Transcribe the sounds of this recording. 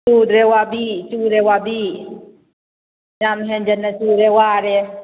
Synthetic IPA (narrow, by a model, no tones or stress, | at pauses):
uːd̪ɾewabit͡ʃuɾewabi | jamɦɛ̃nd͡ʒɐnːat͡ʃuːɾewaːɾe